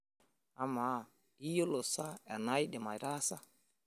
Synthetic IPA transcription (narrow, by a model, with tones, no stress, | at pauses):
a˨ma˨ | i˦jo˦lo˨sa˦a˨na˦i˦ɗɛ˨ma˨ɾa˦sa˦